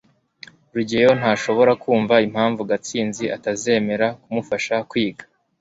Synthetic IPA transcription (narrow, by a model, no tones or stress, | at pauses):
ɾuɟejo̞n̥haːʃo̞βo̞ɾakuːɱvaim̥haːɱvuɡat͡siːnziʔataze̞ːme̞ɾakumufaʃakwiːɡḁ